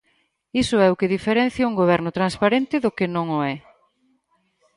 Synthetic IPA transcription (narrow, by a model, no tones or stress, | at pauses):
isʊɛʊkɪðifeɾɛn̟θjauŋɡoβ̞ɛɾnʊt̪ɾanspaɾẽnt̪ɪðʊkenõŋʊɛ